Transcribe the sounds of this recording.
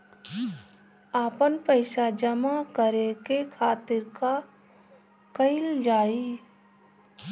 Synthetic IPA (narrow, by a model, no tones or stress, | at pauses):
aːpənpəɪʃad͡ʒəmakəɾekekʰaːt̪ɪɾka | kəɪld͡ʒaːiː